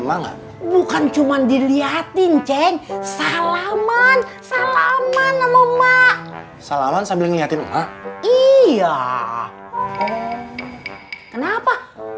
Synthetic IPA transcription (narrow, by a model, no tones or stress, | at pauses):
maŋa̰t̪̚ | bukant͡ʃumandiliat̪int͡ʃɛɲsalamansalamanəmɔmaʔ | salamansambilɪŋliɦat̪ɪnəmaʔija | kənapa